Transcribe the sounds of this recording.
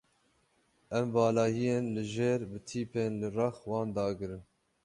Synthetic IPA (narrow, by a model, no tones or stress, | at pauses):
ɛmbɑːlɑːhijeːnlɨʒeːɾbɨt̪ʰiːpʰeːnlɨrɑxwɑːnd̪ɑːɡɨɾɨn